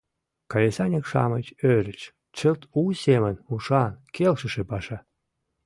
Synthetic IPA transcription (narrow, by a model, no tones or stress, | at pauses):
kɑlʲesɑnʲekʃɑ̰mət͡ɕøɾʲət͡ɕ | t͡ɕə̆lt̪usʲemənmuʂɑnkʰelʃə̆ʃepɑʃɑ